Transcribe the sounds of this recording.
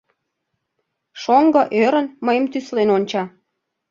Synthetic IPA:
ʃoŋɡə̆ʔøɾənməjəmt̪yslenonʲt͡ɕɑ

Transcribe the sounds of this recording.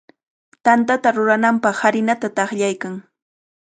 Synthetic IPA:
t̪ant̪at̪aɾʊɾanampɑχhaɾɪnat̪at̪ɑχʎajkaŋ

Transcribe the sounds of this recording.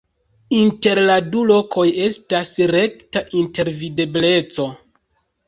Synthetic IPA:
inte̞ɾladulo̞kʰo̞je̞stasɾe̞ktaʔinte̞ɾvide̞ble̞t͡so̞

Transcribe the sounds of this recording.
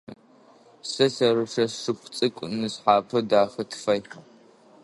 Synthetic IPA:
sɐsɐrɨʂɐʂɨpʷt͡sʼɨkʷʼnɨsħaːpʰɐdaːxɐtʰfɐj

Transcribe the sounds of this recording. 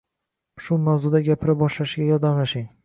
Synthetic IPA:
ʃʊmawzʊd̪aɡʲapʰɪɾɪp̚bɒʃlaʃɪɡʲajɒɾd̪amlaʃɪŋ

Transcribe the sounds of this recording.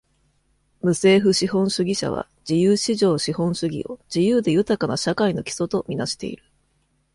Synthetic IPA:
mɯ̟se̞ːɸɯ̟ɕihõ̞ɰ̃ɕɨɡʲiɕa̰β̞a̰ | d͡ʑijɯːɕiʑo̞ːɕihõ̞ɰ̃ɕɨɡʲḭo̞̰d͡ʑijɯ̟ːd̪e̞jɯ̟t̪akanaɕakaino̞kʲi̥so̞t̪o̞mʲinaɕi̥t̪e̞̰ḭɾɯ̟

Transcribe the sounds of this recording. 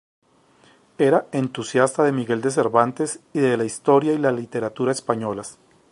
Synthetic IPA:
e̞ɾae̞nt̪usjast̪aðe̞miɣe̞ld̪e̞s̬e̞ɾβant̪e̞siðe̞laist̪o̞ɾjailalit̪e̞ɾat̪uɾaespaɲo̞las

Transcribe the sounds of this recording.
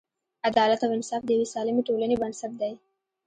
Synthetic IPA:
ad̪ɑlat̪awɪnsɑfd̪əjawesɑlɪmeʈolanebansat̪̚d̪aj

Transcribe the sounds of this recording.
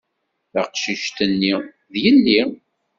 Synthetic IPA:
θaqʃiʃt̪ənːi | ðjəlːi

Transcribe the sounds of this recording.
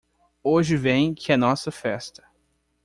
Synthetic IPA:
oʒɪvẽj̃kʰɪɛnɔsɐfɛst̪ɐ̥

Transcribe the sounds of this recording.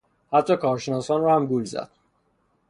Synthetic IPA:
hæt̪ʰːɒːkʰɒːɾʃenɒːsɒːnrɔːhæmɡulzæ̰d̪̥̚

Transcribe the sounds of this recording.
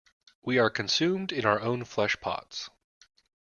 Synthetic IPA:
wiə˞kʰɨ̃nsʉ̃mdɨ̃naʊə˞õʊ̃nflɛʃpʰɑ̰ts

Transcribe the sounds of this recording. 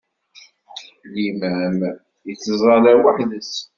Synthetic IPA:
limæm | jət͡sːəzˤɑlæwəħðəs

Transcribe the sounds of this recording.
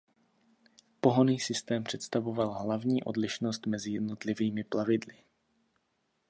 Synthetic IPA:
po̞ɦoniːsɪst̪ɛːmpr̥ɛt̪st̪avo̞valɦlavɲiːʔo̞̰dlɪʃno̞st̪mɛzɪjɛdnot̪lɪviːmɪplavɪdlɪ

